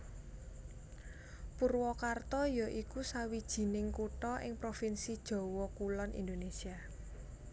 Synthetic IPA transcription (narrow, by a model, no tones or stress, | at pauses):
purwɔkart̪ɔjɔʔikusawid̥ʒ̥i̤nɪŋkuʈɔʔɪ̰ŋpɾofinsid̥ʒ̥ɔ̤wɔkulɔnʔḭnd̪onesia